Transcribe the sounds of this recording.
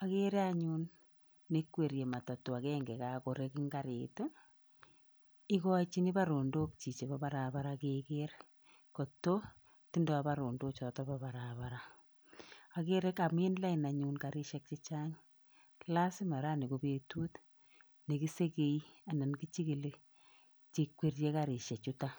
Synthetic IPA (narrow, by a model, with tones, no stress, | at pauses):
a˨ke˦ɾe˦aɲu˦nː | ekwe˨ɾje˨ma˨ta˨to˨a˨kɛŋɡɛ˨kako˨ɾekɪ˦ŋɡaɾeto˦ | ɪ˦kɔt͡ʃi˦ni˦pa˦ɾo˨ndo˦kt͡ʃi˨t͡ʃe˨papaɾa˨baɾakekeɾ | ko˨to˦ | ti˦ndɛ˦apa˦ɾo˨ndo˦t͡ʃɔ˨tɔ˦papa˨ɾaβaɾa | a˨keɾe˦ka˨mi˦nla˦i˨na˨ɲunka˨ɾi˦ʃɛ˦k̚t͡ʃe˦t͡ʃa˦ŋ | la˦sɪ˦ma˨ɾa˦ne˨kope˨tuː˦t | ne˨ki˦se˦ke˦ia˨na˨nki˦t͡ʃi˦ki˨le˦ | t͡ʃi˨kwe˦rje˦kaɾi˨ʃe˨t͡ʃuta